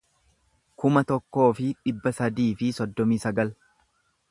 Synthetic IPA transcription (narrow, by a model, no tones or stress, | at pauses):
kʊmɐt̪ɔkːo̞ːfɪᶑɪbːɐsɐd̪iːfɪsɔd̪ːɔmiːsɐɡɐl